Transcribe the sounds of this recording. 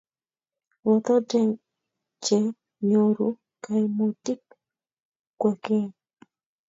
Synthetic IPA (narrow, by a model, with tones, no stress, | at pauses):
wɔ˨t̪ɔ˦dɛ˦ŋ | t͡ʃe˨ | ɲo˨ɾu˦ | ka˨imo˨ti˦k | kːwɛ˨ke˦